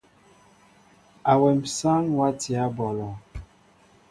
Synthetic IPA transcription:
a˨wɛ˨m̩˨sa˦ŋwa˦ti˨a˦bɔ˨lɔ˨

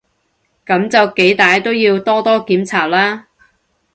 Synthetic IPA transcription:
kɐ˨˥mt͡sɐ˨wke˨˥jt̪aː˨jt̪o˥wjiː˧wt̪ɔː˥t̪ɔː˥kiː˨˥mt͡sʰaː˨˩p̚laː˥

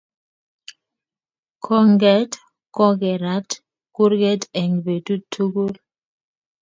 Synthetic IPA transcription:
kʰɔ˦ŋɡɛ˦t | kɔ˦ɡɛ˨ɾa˨˦t | ku˦ɾɡɛ˦tɛ˨ŋbe˨tu˦tʰu˦ɡu˦l

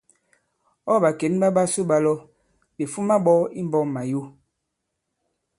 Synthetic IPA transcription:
ɔ˦˨ba˨ke˨˦nɓa˦ɓa˦su˦ɓa˦lɔ˦ | ɓe˨fu˦ma˦ɓɔ˦i˦m˦bɔ˦˨mma˨jo˦

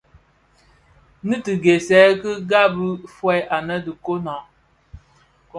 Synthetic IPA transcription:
nɨ˦tɨ˨ɡe˨sɛ˦kə˦ɡa˦bɨ˦fwɛ˦ʔa˨nə˦dɨ˨ko˦na˨ | k

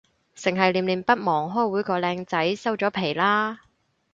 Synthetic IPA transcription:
sɪ˨˩ŋɦɐ˨jliː˨˩mliː˨mpɐ˥t̚mɔː˨˩ŋɦɔː˥˩jwuː˨˥jkɔː˧lɛː˧ŋt͡sɐ˨˥jsɐ˥wt͡sɔː˨˥pʰe˨˩jlaː˥

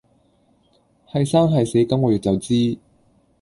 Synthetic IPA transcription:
hɐ˨˧jsaː˥ŋɦɐ˨jse˨˥jkɐ˥mŋɔː˨˧jyː˨t̚t͡sɐ˨wt͡siː˥

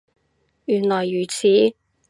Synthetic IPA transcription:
jyː˨˩nlɔː˨˩jːyː˨˩t͡sʰiː˨˥

